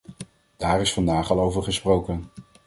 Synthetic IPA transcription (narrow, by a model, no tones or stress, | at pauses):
d̥aːrɪsfɑndaːχɑlˠowvəɹχəsprowkən